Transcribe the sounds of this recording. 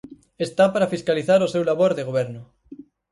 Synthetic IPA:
est̪apaɾafiskaliθaɾosewlaβoɾðeɣoβ̞eɾno

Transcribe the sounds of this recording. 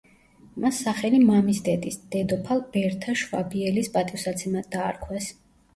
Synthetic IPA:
masːaχɛlimamisd̪ɛd̪isd̪̥ɛd̪ɔpʰalˠbɛɾt̪ʰaʃwa̰biɛlispʼat̪ʼifsat̪sʰɛmad̪aːɾkʰwɛs

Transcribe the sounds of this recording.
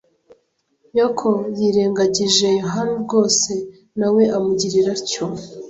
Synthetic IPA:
jakʰojiɾeːŋɡaɟiʒe̞juɦanubɡo̞ːse̞ | nawe̞amuɟiɾiɾaɾco

